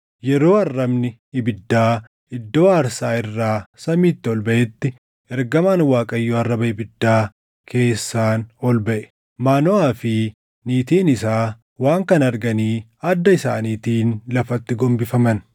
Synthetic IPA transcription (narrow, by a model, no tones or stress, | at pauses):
jɛɾo̞ːɐrːɐbnɪ | ɪbɪd̪ːaː | ɪd̪ːo̞ːaːɾsaːɪrːaːsɐmiːt̪ːɪɔlbɐʔɛt̪ːɪ | ɛɾɡɐmaːnwaːkʼɐjːoːɐrːɐbɐɪbɪd̪ːaː | kʰe̞ːsːaːnɔlbɐʔɛ̥ | maːnɔaːfɪ | niːt̪iːnɪsaː | waːŋkɐnɐɾɡɐniːɐd̪ːɐɪsa̰ːniːt̪iːnlɐfɐt̪ːɪɡɔmbɪfɐmɐn